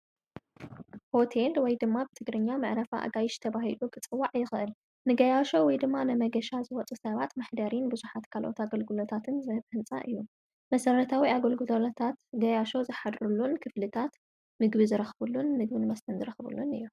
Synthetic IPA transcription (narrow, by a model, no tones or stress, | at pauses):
ho̞t̪ʰe̞lwɔjd̪ɨmːabɨt̪ʰɨɡɾɨɲːamɨʕɾɐfa̰ʔa̰ɡajɪʃt̪ʰɐβahilukʼɨt͡sʼɨwːaʕjɪxʔɨl | nɨɡɐjaʃo̞wɔjd̪ɨmːanɨmɐɡɐʃazɨwɔt͡sʼusɐβat̪maħd̪ɐɾinbɨzuħat̪kʰalʔo̰t̪aɡɐlɡulot̪ʰat̪ʰɨnzɐβhɨnt͡sʼa̰ʔɨjːu | mɐsɐɾɐt̪ʰawiaɡɐlɡɨlolot̪ʰat̪ɡɐjaʃo̞zɨħad̪ɾulunkʰɨflɨt̪ʰat̪ | mɨɡbizɨɾɐxβulːunːɨɡbɨnɨmɐst̪ʰɐnzɨɾɐxbṵlːunɨ̰jː